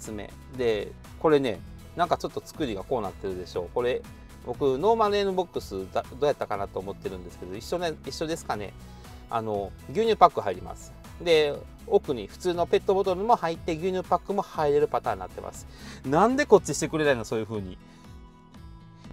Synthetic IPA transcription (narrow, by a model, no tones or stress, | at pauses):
t͡sɨme̞̰ | d̪e̞ | ko̞ɾe̞ne̞ | nãŋkat͡ɕo̞t̪ːo̞t͡sɨ̥kɯ̟ɾʲiɡako̞ːnat̪ːe̞ɾɯ̟d̪e̞ɕo̞ːko̞ɾe̞ | bo̞kɯ̟no̞ːmaɾẽnɯbo̞kːɯsɨad̪o̞ːjat̪ːakanat̪o̞ːmo̞t̪ːe̞ɾɯ̟̃nd̪e̞sɨ̥ke̞d̪o̞iɕːo̞neiɕːo̞d̪e̞sɨ̥kane̞̰ | a̰no̞ɡʲɯːɲʲɨːpakːɯ̟ɦaiɾʲima̰sɨ̥ | d̪e̞ | okɯ̟ɲ̟iɸɯ̟̥t͡sɨːno̞pe̞t̪ːo̞bot̪oɾɯ̟mo̞hait̪ːe̞ɡʲɯːɲ̟ɨːpakːɯ̟mo̞haiɾe̞ɾɯ̟pat̪aːɲiːna̰t̪ːe̞ma̰sɨ̥nãnd̪e̞ko̞t͡ɕːiɕi̥t̪e̞kɯ̟ɾe̞nainoso̞ːjɯ̟ɸɯ̟ːɲ̟i